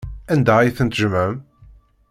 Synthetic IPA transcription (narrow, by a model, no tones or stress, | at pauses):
ænd̪æjθənt̪ʒmæm